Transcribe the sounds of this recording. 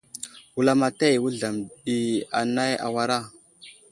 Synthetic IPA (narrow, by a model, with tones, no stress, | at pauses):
wu˨la˦ma˨ta˦˨wu˦ɮa˨mɗi˨a˨na˦ja̰˨wa˦ɾa˦